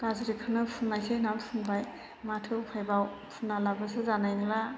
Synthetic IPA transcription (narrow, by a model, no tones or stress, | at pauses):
ɡ̥azɾikʰɯnɯpʰunnajsʰenampʰunbaj | matʰɯupʰajbawpʰunːalabas̬ɯzanajnɯla